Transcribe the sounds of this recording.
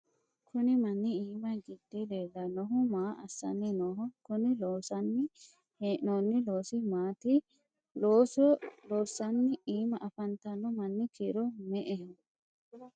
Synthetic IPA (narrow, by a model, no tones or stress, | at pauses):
kʰʊnɪmɐnːɪiːmɐɡɪd̪̥ːeleːlːɐnɔɦʊmaːʔɐ̰sːɐ̰nːɪnɔɦɔkʊnɪloːsɐnːɪ | heːʔnoːnːɪloːsɪmaːt̪ɪ | loːsɔloːsɐnːɪiːmɐʔɐfɐnt̪ɐlːɔmɐnːɪkɪɾɔmɛʔɛh